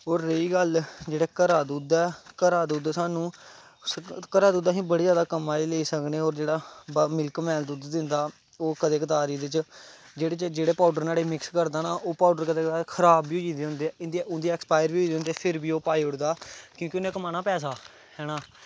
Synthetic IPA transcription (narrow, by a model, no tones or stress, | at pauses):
oːɾːəiːɡəld͡ʒeːɽeːkəɾaːd̪uːd̪ɛːkəɾaːd̪uːd̪ɛːsaːnũː | kəɾaːd̪uːd̪aːɦĩːbəɽeːd͡ʒjaːd̪aːkəmaːiːleiːsəkneːɔːɾd͡ʒeːɽaːbmɪlkmɛːld̪uːd̪d̪ɪnd̪aː | oːkəd̪eːkət̪aːɾiːd̪ɪt͡ʃ | d͡ʒeːɽeːt͡ʃd͡ʒeːɽeːpaːʊɖəɾnaːɽeːmɪkskəɾd̪aːnaːʔoːpaːɖəɾkəd̪eːkt̪aːkʰəɾaːbːiːɦoiːd̪eːɦʊ̃nd̪eːɛːɪnd̪iʊnd̪iːɛːkspaːjəɾiːoiːd̪eːʊ̃nd̪eːpʰɪɾbiːoːpaːiːʊɽd̪aːkjõːkionẽːkəmaːnaːpɛːs̬aː | hɛːnaː